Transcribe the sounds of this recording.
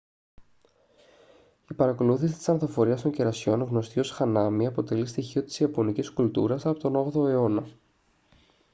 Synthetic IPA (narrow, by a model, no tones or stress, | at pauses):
ipɐɾɐko̞luθisit̪i̥sɐnθofo̞ɾiɐst̪o̞ɲcɟeɾɐsio̞nɣno̞st̪io̞sxɐnɐmiɐpo̞t̪e̞list̪içio̞t̪i̥siɐpo̞niciskult̪ṵɾɐsɐpo̞t̪o̞no̞ɣðo̞e̞o̞nɐ